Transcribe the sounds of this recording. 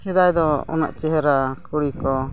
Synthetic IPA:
hɛd̪ajd̪ɔɔ̰na̰ʔt͡ʃɛɦɛɾakuɽikɔ

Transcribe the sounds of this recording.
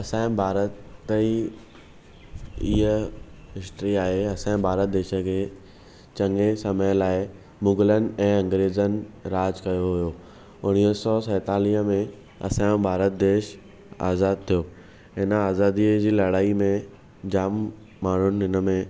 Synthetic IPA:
ɐsãːɪ̃bʱaːɾət̪ːi | iɦəɦɪsʈɾiaːɦeɐsãːɪ̃bʱaːɾət̪̚d̪eːʃə̆kʰeː | t͡ɕɐ̃ŋɡesɐməlaːɪ | mʊŋɡɪlən̆ɛ̃ːɐ̃ŋɡɾeːzənɪ̆ɾaːd͡ʑkɐjoɦʊjoː | ʊñiːəsɔːsɐːt̪aːliːɦəmẽ | ɐ̰sãːbʱaːɾət̪̚d̪eːʃ | a̰ːzaːd̪̚t̪ʰijoː | ɦɪnəaːzaːd̪iəd͡ʑiːlɐɽaːimẽ | d͡ʑaːmː | aːɳ̤ʊnɪ̆ɦɪnəmẽ

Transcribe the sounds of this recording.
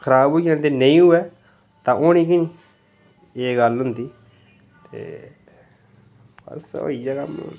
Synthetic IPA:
kʰəɾaːbɦoijãːnt̪̬eːnəĩːɦʊɛː | t̪ãːʔoːñĩːkɪnĩ | eːɡəlɦʊnd̪iː | t̪ḛː | b̥ə̰so̰ːiːd͡ʒaːkam̰

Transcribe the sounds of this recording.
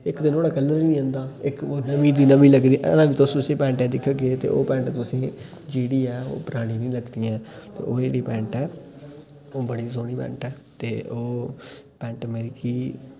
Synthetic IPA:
ɪkd̪ɪnoːɽaːkəlːəɾnĩːɦə̃nd̪aːɪkoːnəmĩːd̪iːnəmĩːləɡd̪iːʔnãːʋiːt̪ʊst̪ʊsẽːpɛ̃ːɳʈɛ̃ːd̪ɪkʰɡeːt̪ḛːʔo̰ːpɛ̃ːɳʈt̪ʊsĩː | d͡ʒiːɽiːɛːo̰ːpəɾaːɽ̃ĩːnĩːləɡd̪ijãːt̪ḛːʔoːd͡ʒeːɽiːpɛ̃ːɳʈɛː | oːbəɽiːsoːɽ̃iːpɛ̰̃ːɳʈɛːt̪eːʔoːpɛ̃ːɳʈəmɛːɾɪkiː

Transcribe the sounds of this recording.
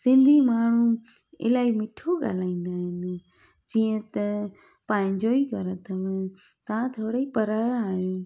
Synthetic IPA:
sɪ̃nd̪ʱimaːɳ̤ũ | ɪ̰laːimɪʈʰoɠa̰ːl̤aːĩːn̆d̪aːɦɪnɪ | d͡ʑiːə̃t̪ɐ | paːɪ̃ɲd͡ʑoːikɐɾət̪ʰəʋɪ̃ | t̪ɐãt̪ʰoːɽəipɐɾaːaːɦjõː

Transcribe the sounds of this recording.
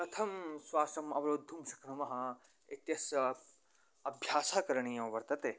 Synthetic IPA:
pɾɐt̪ʰɐmswaːsɐmɐʋɐɾoːd̪ʱːumʃɐkɳɐmɐɦɐ | et̪jɐsɐ | ɐbʱjaːsaːkɐɾɐɳ̃ijɐmɐʋɐɾt̪ɐt̪eː

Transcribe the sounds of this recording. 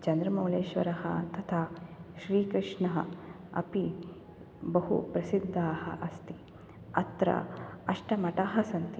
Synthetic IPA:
t͡ʃɐnd̪ɾɐmɐwleːʃʋɐɾɐɦɐ̰t̪ɐt̪ʰaːʃɾiːkɾɨʂɳɐɦɐ̰ | ɐ̰pi | bɐɦṵpɾɐsid̪ʱːaːhɐ̰ʔɐst̪i | ɐt̪ɾɐ̰ɐʂʈɐmɐʈaːɦɐsɐnt̪i

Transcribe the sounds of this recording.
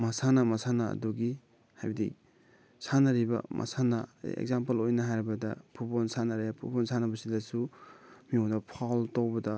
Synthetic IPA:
masanɐmasanɐ̰ːduɡi | hajbidḭ | sanɐɾibɐ̰mʔa̰sanɐḛɡ̚zampelojnɐɦajɾibɐdɐpʰuponsanaɾajapʰupɔnsʰanɐbɐsidɐsumiɔŋdɐpʰawltowbɐdɐ

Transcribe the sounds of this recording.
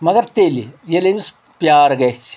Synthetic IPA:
mɐɡɐɾt̪eːlijelenus | pʲjaːɾɐɡɐt͡ʃʰi̥

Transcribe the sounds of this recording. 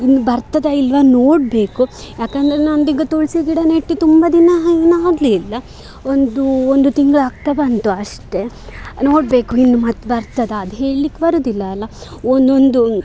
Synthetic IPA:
inːubɐɾt̪ɐd̪eilʋɐnoːɖbe̞ːkujaːkɐnd̪ɐɾenɐnd̪iɡɐt̪oɭsiɡ̪iɽɐneʈːit̪umbɐd̪inɐnaːɡlilːɐ | ond̪uond̪ut̪iŋɡɐɭaːɡ̚t̪ɐbɐnt̪uɐʂʈe̞ | no̞ːɽbe̞ːkuinːumɐt̪ːbɐɾt̪ɐd̪ɐɐd̪uɦe̞ːɭlikːebɐɾud̪ilːɐːlːɐ | ond̪ond̪u

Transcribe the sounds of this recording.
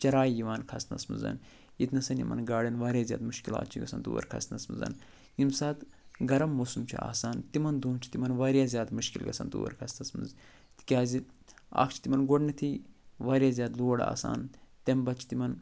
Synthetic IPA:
t͡ʃɐɾaːjjiʋaːnkʰɐst̪nɐ̰smɨ̰zɐ̰n | jit̪nɐsɐnjḭmɐ̰nɡaːɽɐnʋaːɾjaːzʲja̰ːd̪muʃkila̰ːt̪̚t͡ʃʰiɡɐ̰sɐnd̪o̰ːɾkʰɐ̰st̪nɐsmɨzɐ̰n | jimsaːt̪ | ɡɐɾɐmːoːsumt͡ʃʰua̰ːsaːnt̪imɐnd̪uːmt͡ʃʰi̥t̪imɐnʋɐːɾjaːzʲjaːd̪muʃkḭlɡɐ̰sɐ̰nd̪o̰ːɾkʰɐst̪nɐsmɨ̰nz | t̪i̥kʲaːzia̰kt͡ʃʰi̥t̪imɐnɡoɖnit̪ʰiʋaːɾjaːzʲaːd̪loːɽa̰ːsa̰ːnt̪embɐt̪t͡ʃʰi̥t̪imɐn

